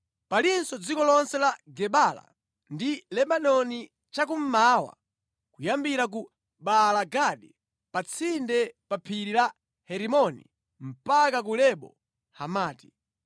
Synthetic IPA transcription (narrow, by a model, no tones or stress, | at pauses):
palinsɔd͡zikɔlɔnsɛlaɡɛɓala̰ | ndilɛɓanɔni | t͡ʃakum̩maːwa̰ | kujambiɾak̬u | ɓalaɡaɗi | pat͡sʰindɛpapʰiɾila | hɛɾimɔnḭ | m̩pakak̬ulɛɓɔ̰ | hamaːti̥